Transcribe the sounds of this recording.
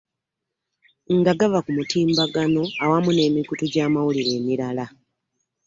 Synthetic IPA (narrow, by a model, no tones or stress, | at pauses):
ŋɡaɡaβakumutiːmbaɡano̞awamune̞ːmikutuɟaːmawuliɾe̞ːmiɾala